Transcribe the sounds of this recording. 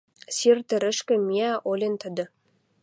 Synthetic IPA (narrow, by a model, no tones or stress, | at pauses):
sirt̪ɘ̆ɾɘ̆ʃkɘ̆mʲiæʔolʲent̪ʰə̆d̪ɘ̆